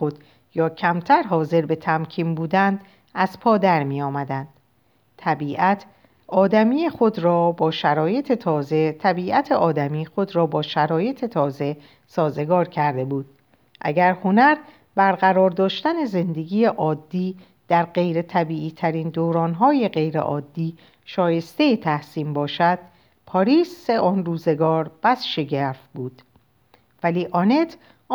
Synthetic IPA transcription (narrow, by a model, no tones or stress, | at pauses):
xod̪̥ | jɒːcʰæmt̪ʰæɾɦɒːze̞ɾbe̞t̪ʰæmcʰiːmbuːd̪ænd̪ | æz̥pʰɒːd̪æɾmiːjɒːmæd̪ænd̪̥ | t̪ʰæbiːʔæt̪ʰ | ɒːd̪æmiːjeχo̞d̪ɾɒːbɒːʃæɾɒːje̞t̪ʰe̞t̪ʰɒːze̞t̪ʰæbiːʔæt̪ʰeʔɒːd̪æmiːxo̞d̪ɾɒːbɒːʃæɾɒːje̞t̪ʰe̞t̪ʰɒːze̞ | sɒːze̞ɡɒːɾcʰæɾd̪e̞buːd̪̥̚ | ʔæ̰ɡæɾho̞næɾ | bæɾɣæɾɒːɾd̪ɒːʃt̪æne̞ze̞nd̪e̞ɡiːjeʔɒːd̪ːiː | d̪̥æɾɢe̞jɾe̞t̪ʰæbiːʔiːt̪ʰæɾiːnd̪oːɾɒːnɦɒːje̞ɢe̞jɾḛʔɒːd̪ːiː | ʃɒːje̞st̪e̞jet̪ʰæhsiːmbɒːʃæd̪̥̚ | pʰɒɾiːseʔɒːnruːze̞ɡɒːɾb̥æsʃeɟæfbuːd̪̥ | væliːʔɒne̞t̪ʰː